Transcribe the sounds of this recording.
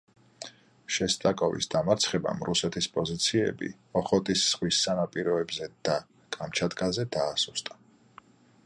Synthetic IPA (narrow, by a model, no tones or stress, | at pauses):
ʃɛst̪ʼakʼɔvḭsd̪amaɾt̪sʰχɛba̰mɾusɛt̪ʰispʼɔzit̪sʰiɛ̰bḭmɔχɔt̪ʼisːʁwisanapʼiɾɔɛbzɛd̪̥a | kʼamt͡ʃʰad̪ɡazɛd̪aːsust̪ʼa